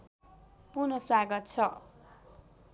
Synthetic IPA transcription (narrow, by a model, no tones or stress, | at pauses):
punʌswaɡʌt̪̚t͡sʰʌ